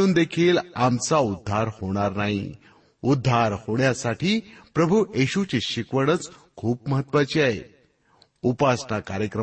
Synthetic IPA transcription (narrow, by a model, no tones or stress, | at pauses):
uːnd̪ekʰiːlamt͡saud̪ʱːaɾhoɽ̃aɾnaɦi | ud̪ʱːaɾhoɳjasaʈiːpɾəbʱujeɕut͡ɕeɕikʋəɽ̃ət͡skʰuːpməɦət̪ːʋat͡ɕiaɦe | upasnakaɾjəkɾə